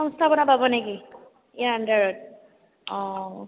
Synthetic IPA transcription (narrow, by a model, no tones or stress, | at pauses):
ɔŋstʰabɔnapabɔnɛki | ijaandaɹɔt̚ | ɔ̃